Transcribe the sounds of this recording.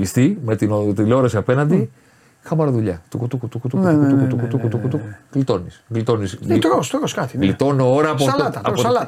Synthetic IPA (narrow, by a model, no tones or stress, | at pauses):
ist̪imet̪inot̪iloɾɐsiɐpe̞nɐnd̪i | xɐmɐɾoðuʎɐt̪ukut̪ukut̪ukut̪uk̪ukut̪ukut̪ukut̪ukut̪ukɣlit̪o̞nisɣlit̪o̞nist̪ɾost̪ɾoskɐt̪ilit̪o̞nooɾɐːpolt̪ɐpolɐ